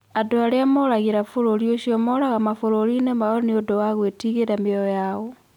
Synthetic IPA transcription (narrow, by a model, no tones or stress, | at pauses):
adoaɾeamoɾaɣeɾafoɾoɾjoʃiomoɾaɣamafoɾoɾinemaoneodowaɣwetiɣeɾameɔjao